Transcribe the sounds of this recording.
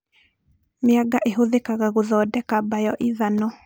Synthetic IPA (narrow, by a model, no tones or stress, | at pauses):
mɪaɡaʔeɦoðekaɣaɣoðɔdɛkabajɔʔiðanɔ